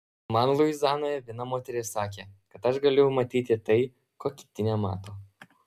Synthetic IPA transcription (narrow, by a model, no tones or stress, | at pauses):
mɐnlˠʊɪzɑːnoːjɛʋʲiɛnɐmoːt̪ʲɛɾʲɪsɑːkʲeːkɐt̪ɐʃɡɐlʲɪjɛʊmɐt̪ʲiːt̪ʲɪt̪ɐɪ | koːkʲɪ̥t̪ʲɪnʲɛmɑ̰ːt̪oː